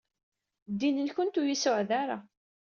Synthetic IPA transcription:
d̪ːinənçʊnt̪ujisʊʕðaɾa̰

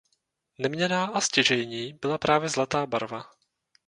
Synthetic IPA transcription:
nɛmɲɛnaːʔascɪʒɛjɲiːbɪlapɾʔaːvjɛzlat̪aːbaɾva

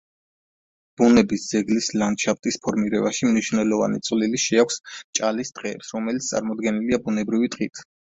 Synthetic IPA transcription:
b̥unɛbisd̪z̥ɛɡlislanʃaft̪ʼispʰɔɾmiɾɛbaʃimniʃvnɛlɔva̰nḭt̪sʼliliʃɛakʷʰst͡ʃʼalisd̪̥ʼqʼɛːpsɾɔmɛlit̪st̪sʼa̰ɾmɔd̪ɡɛniliabunɛbɾivit̪ʼqʼit̪ʰ

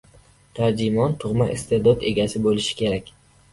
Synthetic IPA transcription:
t̪ʰaɾd͡ʒɪmɒnt̪ʰʊʁmaʔɪ̰st̪ʰed̪ɒd̪e̞ɡʲasɪbolɪʃɪ̥kʲʰe̞ɾakʲ

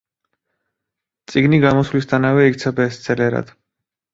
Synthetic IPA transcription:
t̪sʼiɡniɡamɔsvlist̪ʰanavɛikt̪sʰabɛːst̪sʰɛlɛɾa̰d̪̥

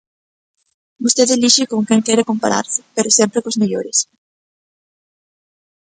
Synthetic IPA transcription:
bost̪eðeliʃɪkoŋkɛŋkɛɾekompaɾa̰ɾsɪ̥peɾosɛmpɾekozmeʎoɾes

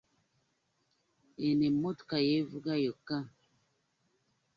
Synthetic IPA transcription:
enemotkajevuɡajoka

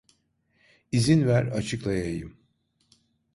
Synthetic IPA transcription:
izinvæɾat͡ʃʰɯklˠajajɯm

